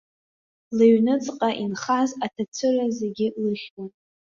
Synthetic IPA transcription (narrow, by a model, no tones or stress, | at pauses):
lɨɥnɨt͡sʼqʼaʔinχazatʰat͡sʷʰɨrazeɡʲɪlɨχʲnan